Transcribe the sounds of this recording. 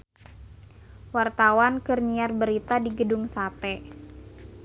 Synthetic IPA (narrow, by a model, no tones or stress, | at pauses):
wart̪awankɨrɲiarbəɾit̪adiɡəduŋsat̪ɛ